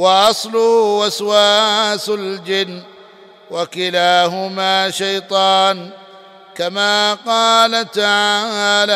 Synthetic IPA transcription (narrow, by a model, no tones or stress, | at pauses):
wɑʔɑsˤlʊhʊʔaswaːsald͡ʒɪnː | wakɪlaːɦʊmaːʃajt̪ˤɑːn | kamaːqɑːlat̪aʕaaːla